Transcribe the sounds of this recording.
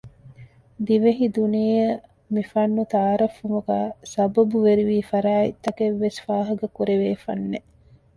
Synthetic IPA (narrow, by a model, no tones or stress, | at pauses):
d̪iʋeɦid̪unijɐ | mifɐnːut̪aːɾɐfːumuɡæːsɐbɐbuʋeɾiʋiːfɐɾaːit̪ːɐkeʋːesfaːɦɐɡɐkuɾeʋeːfɐ̰nːe